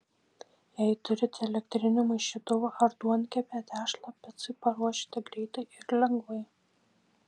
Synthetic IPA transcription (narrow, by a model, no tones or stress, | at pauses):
jɛɪt̪ʊɾʲɪt̪ʲɛlʲɛkt̪ʲɾʲɪnʲʊmɐɪʃʲɪt̪ʊʋɐʔɐɾd̪uɔnʲkʲɛpʲæːt̪ʲæːʃlˠɐpʲɛt̪sʲɨpɐɾuɔʃʲi̥t̪ʲɪɡɾʲɛɪt̪ɐɪɪɾlʲɛŋɡʋɐɪ